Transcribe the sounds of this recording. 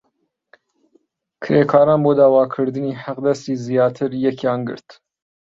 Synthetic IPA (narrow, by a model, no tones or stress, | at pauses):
kʰɨɾekʰɑːɾaːnboːd̪ɑːwɑːkʰɨɾd̪ɨniːħaqd̪ɐst̪izijɑːt̪ʰɨɾjɛkʰjɑːnɡɨ̰ɾt̪